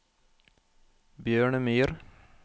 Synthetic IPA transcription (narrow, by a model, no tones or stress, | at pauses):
bjøːɳəmyːɾ